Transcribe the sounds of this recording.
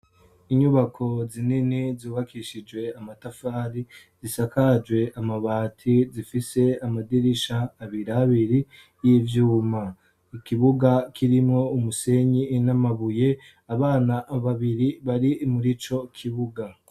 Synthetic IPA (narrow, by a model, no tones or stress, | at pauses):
iɲuβakʰo̞zininizuːβakʰiʃid͡ʒwe̞amatafaːɾi | zisakad͡ʒwe̞ʔamaβaːtʰizifise̞amadiɾiʃaːβiɾaːβiɾi | jivjuːma | ikiβuɡakiɾimŋo̞umuse̞ɲinamaβuje̞ | aβaːnaβaβiɾiβaɾimuɾit͡ʃo̞kʰiβuɡa